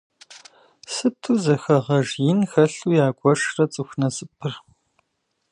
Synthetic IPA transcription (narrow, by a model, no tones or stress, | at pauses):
sɨtʰuːzɐxɐʁɐʒjɪnxɐɬuːjaːɡʷʼɔʂrɐt͡sʼɨxʷnɐsʼɨpʰɨr